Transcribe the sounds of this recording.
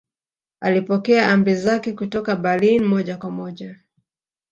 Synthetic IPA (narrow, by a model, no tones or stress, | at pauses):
alipɔkɛaʔambɛzakɛkutɔkaɓalinmɔʄakwamɔʄa